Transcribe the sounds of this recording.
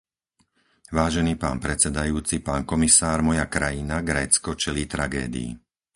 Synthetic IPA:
ʋaːʒɛniːpa̰ːnpɾɛt͡sɛd̪ajuːt͡sipaːnkɔmisaːɾmɔjakɾajinaɡɾɛːt͡skɔt͡ʃɛliːt̪ɾaɡɛ̰ːd̪ḭḭ

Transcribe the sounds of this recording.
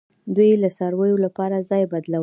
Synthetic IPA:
d̪wujlasɑɾwəjolapɑɾazɑjbad̪law

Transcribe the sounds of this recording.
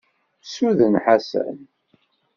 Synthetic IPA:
suðənħasæ̰n

